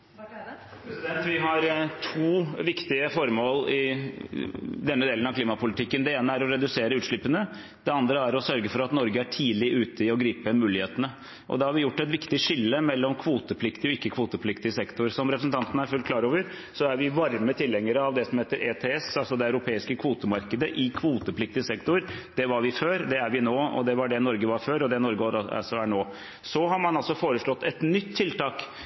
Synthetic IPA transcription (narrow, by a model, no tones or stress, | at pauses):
ɾsd̪ɛnt̪ʋɪɦɑɾt̪ʰuːʋɪkt̪ɪəfɔɾmoːlɪ | d̪ɛnːəd̪eːlənɑʋkliːmɑpʊlɪt̪ʰɪkːənd̪ɛeːnəæɾɔɾɛd̪ʉseːɾəʉːʂɭɪpːənə | d̪̥ɛɑnd̪ɾəæɾɔsœɾɡəfɔɾɑt̪nɔɾɡəæʈʰiːlɪʔʉːt̪əɪɔɡɾiːpəmʉːlɪheːt̪ənə | ʔɔ̰d̪ɛhɑɾʋɪjʊʈːɛt̪ʋɪkt̪ɪʂɪlːəmɛlːɔmkʰʋuːt̪əpʰlɪkt̪ɪɔɪkːəkʰʋuːt̪əpʰlɪkt̪ɪsɛkt̪ʊɾsɔmɾɛpɾəsn̩t̪ɑnt̪ənəæɾfʉlkʰlɑːɾoːʋəɾ | sɔæɾʋɪʋɑɾmət̪ʰɪlhɛŋːəɾəɑʋd̪ɛsɔmheːt̪əɾʔeːt̪ʰeːɛsɑlsɔd̪ɛɑʉɾʊpʰeːɪskəkʰʋuːt̪əmɑɾkəd̪əʔɪkʰʋuːt̪əpʰlɪk̚t̪ɪəsɛkt̪ʊɾd̪ɛʋɑɾʋɪføːɾd̪ɛæɾʋɪnoːɔ̰d̪ɛʋɑɖɛnɔɾɡəʋɑɾføːɾɔd̪ɛnɔɾɡəɾɑ̰sɔæɳoː | sɔɦɑɾmɑnɑlsɔfoːɾəʂɭɔt̪ːɛt̪nʏt̪ʰːɪlt̪ɑːk